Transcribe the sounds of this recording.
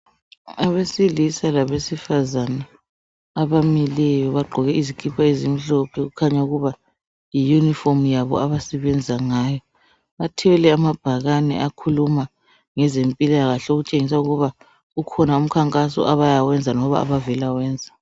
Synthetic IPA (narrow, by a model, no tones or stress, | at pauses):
aβesilisalaβesifazanaː | βamilɛjɔβaɡ͡ǃʱɔɣɛizikʰipʰaizimiɬɔpʰɛɣukʰaɲauɣuβa | jijunifomujaβɔ̰aβasɛβɛnd͡zʱaŋajɔ | atʰɛwɛlɛamab̥ʱaɣanɛ̰ʔakʰuluma | ŋɛzempʼilaɣaɬɛoɣut͡ʃʼeŋis̬auɣuβa | ukʰɔnaum̩kʰaŋkʼasɔ̰ʔaβajawɛnd͡zʱanɔβa̰a̰βavɛlawɛːnd͡zʱa